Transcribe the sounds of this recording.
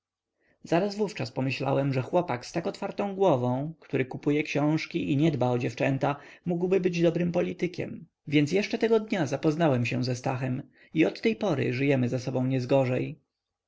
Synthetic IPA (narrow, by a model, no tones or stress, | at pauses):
z̥aɾazvuft͡ʂaspɔmɘɕla̰wɛmʐɛxwɔpakst̪akɔt̪faɾt̪ɔ̃w̃ɡwɔvɔ̃w̃kt̪uɾɘkupujɛkɕɔ̃w̃ʂkʲiʔiɲɛd̪baɔd͡ʑɛft͡ʂɛnt̪amuɡwbɘbɘd͡ʑd̪ɔbɾɘmpɔlʲit̪ɘkʲɛ̰m | vʲjɛnt̪sjɛʂt͡ʂɛt̪ɛɡɔd̪ɲazapɔznawɛmɕɛ̃zɛst̪axɛm | iɔt̪ːɛjpɔɾɘ̰ʐɘjɛmɘzasɔbɔ̃w̃ɲɛzɡɔʐɛj